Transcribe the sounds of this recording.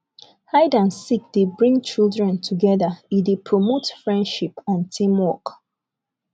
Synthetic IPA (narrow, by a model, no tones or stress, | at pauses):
haɪdãnsik̚d̥ebɹĩŋɡ̚t͡ʃildɹɛ̃ntʰuɡɛðəidepʰɹomotfɹɛ̃ndʃipãntʰĩmwɔk